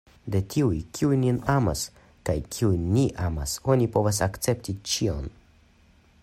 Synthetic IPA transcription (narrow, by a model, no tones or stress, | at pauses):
de̞tʰiujkʰiujnːinama̰s | kajkʰiujːiʔama̰so̞nipo̞vas̬akt͡se̞ptit͡ʃio̞̰n